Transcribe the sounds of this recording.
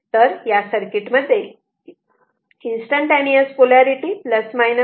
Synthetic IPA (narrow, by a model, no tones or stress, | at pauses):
t̪əɾjasəɾkiʈməd̪ʱːe | insʈə̃ɳʈeniəspolaɾiʈipləsmajnə